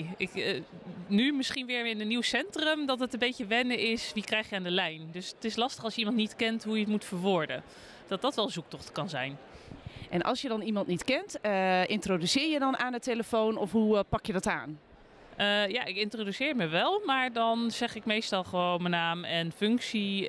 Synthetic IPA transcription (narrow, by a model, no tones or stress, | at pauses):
ɪk | nymɪsχinʋɪːɹɪnənːiwsɛntrəmdɑtətənbejcəʋɛnəɪsʋikrɛjχjəaːndəlɛjndøsətɪslɑstəχɑlˠsjəimɑntnitkɛntɦujətmutfəɹʋʊːɹdə̰ | d̥ɑt̚dɑtʋɛlˠzuk̚tɔχtkɑnzɛjn | ʔɛnʔɑ̰lˠsjədɔnimɑntnitkɛntəʔɪntrodysɪːɹjədɔnʔaːnəteləfownɔfɦupɑkjədɔta̰ːn | əja̰ʔɪkɪntrodysɪːɹməʋɛlˠmaːɹdɔnz̥ɛχɪkmejstɑlˠχəʋownmənaːmɛnfʏŋksi